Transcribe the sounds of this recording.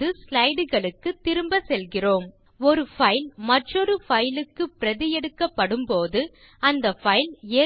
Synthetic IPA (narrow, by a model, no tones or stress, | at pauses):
ɯslɐɪɽɯɣɐɭɯkːɯt̪ːɪɾɯmbɐsɛlɣɪroːm | ɔɾɯfɐɪlmɐʈrɔɾɯfɐɪlɯkːɯpɪɾɐðɪjɛɽɯkːɐpːɐɽɯmpoːðɯ | ɐnd̪ɐfɐɪleː